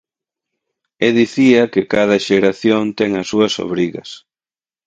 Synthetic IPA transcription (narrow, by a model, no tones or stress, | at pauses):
eðiθiɐkɪkað̞ɐʃeɾaθjont̪ɛŋɐsuɐso̰βɾiɣɐs